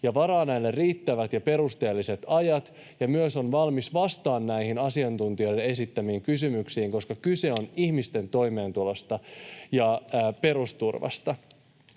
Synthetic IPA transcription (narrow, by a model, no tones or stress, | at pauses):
jɑʋɑɾɑːnæilːerriːt̪ːæʋæt̪jɑpe̞ɾust̪e̞ːlːise̞t̪ɑjɑt̪ | jɑmyøso̞nʋɑlmisʋɑst̪ɑːnːæihinɑsiɑnt̪unt̪io̞jdene̞sit̪ːæmiːŋkysymyksiːŋko̞skɑkyse̞o̞nihmist̪e̞nt̪o̞jmeːnt̪ulo̞st̪ɑjɑːpe̞ɾust̪urʋɑ̰st̪ɑ